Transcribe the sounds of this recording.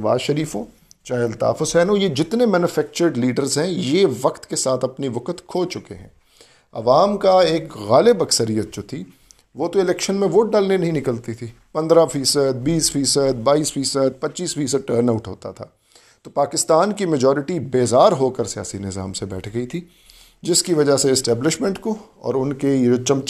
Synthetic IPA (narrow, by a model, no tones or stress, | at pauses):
ɐʋa̰ːzʃɐɾiːfõː | t͡ʃaːɪlt̪a̰ːfosɛːnojed͡ʒɪt̪nemɛːnʊfɛːk̚t͡ʃəɾɖliːɖəɾzɦɛ̃jeʋɐqt̪kesaːt̪ʰɐpniʋɐkət̪kʰoːt͡ʃʊkḛɦɛ̰̃ː | ɐ̰ʋaːmkaeːkɣaːlɪbɐksəɾijət̪̚d͡ʒot̪ʰiː | ʋot̪oɪlɛːkʃənmẽʋoːʈ̚ɖaːlnenɐɦĩnɪkəlt̪it̪ʰiː | pɐ̃nd̪ɾafiːsəd̪̚biːsfiːsəd̪̚baːiːsfiːsəd̪̚pɐtːt͡ʃiːsfiːsəd̪̚ʈəːɾnaʊʈɦo̰ːt̪a̰t̪ʰa̰ː | t̪opaːkɪst̪aːnkimɐd͡ʒɔːɾɪʈibeːzaːɾɦoːkəɾsija̰ːsinɪza̰ːmsebɛ̰ːʈʰɡɐit̪ʰiː | d͡ʒɪskiʋɐd͡ʒaseɪsʈɛːblɪʃmẽɳʈkoɔ̰ːɾʊnkejot͡ʃɐ̃m